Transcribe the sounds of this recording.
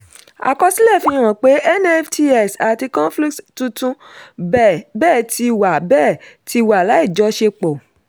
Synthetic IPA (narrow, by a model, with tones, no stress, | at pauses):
a̰˨kɔ˦si˦lɛ˦˨fĩ˧˦ɾ̃ã˨k͡pe˨˦ʔɛ˦nɛ˦fti˧ɛ˦˨sa˨ti˧kɔ̃˦fli˦kttũ˧tũ˦ | bɛː˦˨ti˧wa˨bɛː˦˨ti˧wa˨la˨˦i˦˨d͡ʒɔ˨˧˦ʃe˧k͡pɔ˨